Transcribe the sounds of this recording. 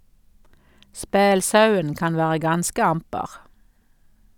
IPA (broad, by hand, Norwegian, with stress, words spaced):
ˈspeːlˌsɑʉən ˈkɑn ˈʋæːʁə ˈɡɑnskə ˈɑmpəʁ